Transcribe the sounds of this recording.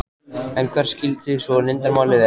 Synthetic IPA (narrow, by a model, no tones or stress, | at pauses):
ɛŋkʰvaɾ̥scɪlt̪ɪsvɔnɪnt̪aɾmaːwlɪð